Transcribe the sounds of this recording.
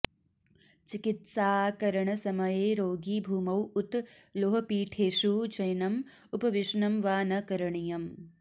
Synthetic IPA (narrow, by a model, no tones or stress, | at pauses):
t͡ʃikit̪saːkɐɾɐɳɐsɐmɐjeːɾoːɡiːbʱuːmɐwut̪loːɦɐpiːʈʰeːʃut͡ʃɐjnɐm | upɐʋiʃɳɐmʋaːnɐkɐɾɐɳijɐm